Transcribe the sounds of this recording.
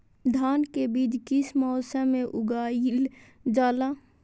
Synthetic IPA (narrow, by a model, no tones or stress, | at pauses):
d̪ʱaːnkebiːd͡ʒkɪsmɔːsəmẽʔʊɡald͡ʒaːla